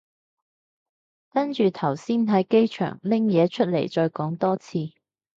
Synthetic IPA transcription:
kɐ˥nt͡ʃyː˨t̪ʰɐ˨˩wsiː˥nt̪ɐ˨˥jke˥jt͡ʃʰœ̰ː˨˩ŋlɪ˥ŋjɛː˨˧t͡ʃʰɵ˥t̚lḛ˨˩jt͡ʃɔː˧jkɔː˨˥ŋt̪ɔː˥t͡sʰiː˧

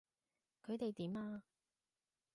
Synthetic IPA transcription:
kʰɵ˨˧ɥt̪e˨jt̪iː˨˥maː˧

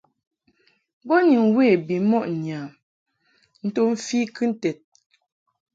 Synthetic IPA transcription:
bɔ˦ni˨ŋwe˦˨bi˨˦mɔ˦˨ʔɲ˨a˨m | n̩˦to˦m̩˦fi˦kʰɨ˦n̩˨tɛ˨t̚

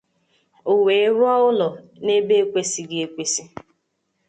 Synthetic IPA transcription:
o˨we˨˦ɾʊ˦ɔ˦ʊ˦lɔ˨ne˦be˦e˦kʷe˦si˨ɡɪ˦e˦kʷe˦si˦

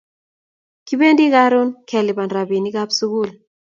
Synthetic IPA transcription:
ki˦be˦ndi˦ka˦ɾʊ˦nkʰɛ˨lɪ˨ba˨nɾa˨bi˨ni˦ɡa˦psu˦ɡu˦˨l

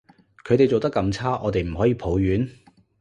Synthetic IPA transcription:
kʰɵ˨˧ɥt̪e˨jt͡so˨wt̪ɐ˥kːɐ˧mt͡sʰaː˥ʔɔː˨˧t̪e˨jm̩˨˩ɦɔː˨˥jiː˨˧pʰo˨˥wjyː˨˥n

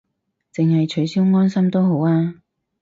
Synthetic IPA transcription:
t͡sɪ˨ŋhɐ˨jt͡ʃʰɵ˨˥ɥsiː˥wŋɔː˥nsɐ˥mt̪o˥wɦo˨˥waː˧

